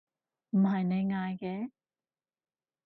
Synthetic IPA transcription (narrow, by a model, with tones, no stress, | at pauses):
m̩˨˩hɐ˨jne˨˧˦jŋaː˧jkɛː˧˦